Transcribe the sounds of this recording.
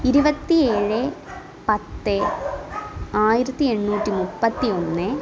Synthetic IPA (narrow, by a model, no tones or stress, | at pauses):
iɾubɐt̪ːieːɻɨ | pɐt̪ːɨ | aːjiɾɐt̪ːie̞ɳːuːtːimupːɐt̪ːio̞nːɨ